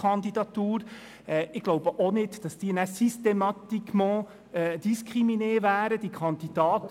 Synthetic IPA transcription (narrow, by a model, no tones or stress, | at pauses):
ɑnd̪id̪ɑt̪uːɾ | ɛːɪɡloʊbəʔonɪdd̥ɑsd̥iːənæsystemɑt̪ikmɑ̃ | ɛd̥iskʁimineːvæːɾəd̥̪ikʰɑnd̪id̥ɑːt̪